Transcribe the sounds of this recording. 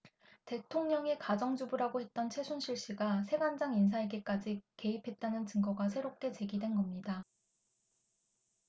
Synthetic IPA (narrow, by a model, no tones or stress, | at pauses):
te̞tʰoŋɲʌŋikad͡ʑʌŋd͡ʑubuɾaɡohe̞t̚t͈ʌnt͡ɕʰe̞sʰunɕʰiɭɕ͈iɡasʰe̞ɡand͡ʑaŋins̬ʰaeɡek͈ad͡ʑike̞ipʰe̞t̚t͈anɯnt͡ɕɯŋɡʌɡasʰe̞ɾop̚k͈e̞t͡ɕe̞ɡidwe̞nɡʌmɲida